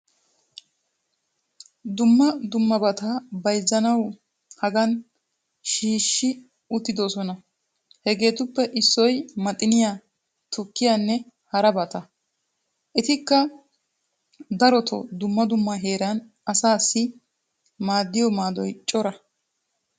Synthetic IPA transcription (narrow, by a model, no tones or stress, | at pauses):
d̪ʊmːɐd̪ʊmːɐbɐt̪abɐjzːɐnɐw | hɐɡɐn | ʃiːʃːɪ | ʊt̪ːɪd̪ɔsɔnɐ | hɛɡe̞ːt̪ʊpːɛʔɪsːɔjmɐt̪ʼɪnɪjaː | t̪ʰʊkːɪjanːɛ | hɐɾɐbɐt̪ɐ | ʔɪt̪ɪkːɐ | d̪ɐɾɔt̪ʰɔ̰d̪ʊmːɐd̪ʊmːɐɦe̞ːɾɐn | ɐsaːsːɪ | maːd̪ːɪjɔmaːd̪ɔjt͡ʃʼɔɾɐ